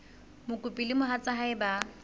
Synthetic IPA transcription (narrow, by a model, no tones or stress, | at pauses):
mʊkʼʊpʼilɪmʊɦat͡sʼaɦaɪba